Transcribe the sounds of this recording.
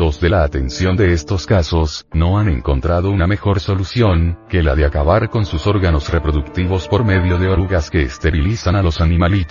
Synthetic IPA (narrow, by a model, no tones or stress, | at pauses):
lo̞zðe̞laːt̪e̞nsjo̞nd̪e̞est̪o̞skaso̞sno̞ane̞̰ŋko̞̰nt̪ɾaðo̞uname̞xo̞ɾso̞lusjo̞ŋke̞laðeakaβaɾko̞nsuso̞ɾɣano̞srepɾo̞ðukt̪iβo̞spo̞ɾme̞ðjo̞ðeoɾuɣaske̞ːst̪e̞ɾilisanalo̞sanĩmalit̪